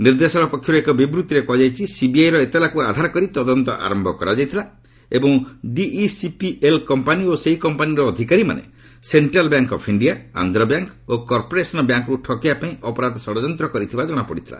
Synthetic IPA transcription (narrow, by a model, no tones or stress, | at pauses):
niɾd̪esɔɽɔpɔkʰːjɔɾekɔbibɾut̪iɾekɔd͡ʒajt͡ʃʰisibiajɾɔet̪elakuad̪ʱaɾɔkɔɾit̪ɔd̪ɔnt̪ɔʔa̰ɾɔmbʱɔkɔɾad͡ʒajt̪ʰila | ebɔŋɖiːsipielkɔmpanioseɦikɔmpaniɾɔːd̪ʱikaɾima̰nḛ | seɳʈɾalbjaŋkɔpʰiɳɖiaa̰nd̪ʱɾɔbjaŋkokɔɾpɔɾesɔnɔbjaŋkɔɾuʈʰɔkijapaĩʔɔpɔɾad̪sɔɽɔd͡ʒɔnt̪ɾɔkɔɾit̪ʰibad͡ʒɔɽ̃ɔpɔɽit̪ʰila̰